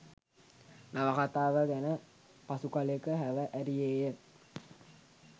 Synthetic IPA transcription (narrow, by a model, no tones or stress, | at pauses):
naʋəkat̪aːʋəɡænə | pasukalekəɦæʋəʔæɾijeːjə